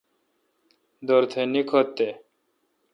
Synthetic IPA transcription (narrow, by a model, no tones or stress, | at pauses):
d̪oɾt̪ʰenikʰot̪ːe